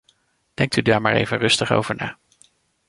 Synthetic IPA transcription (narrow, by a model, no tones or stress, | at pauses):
d̥ɛŋk̚tydaːɹmaːɹḛjvənrɵstəχo̰wv̥əɹnaː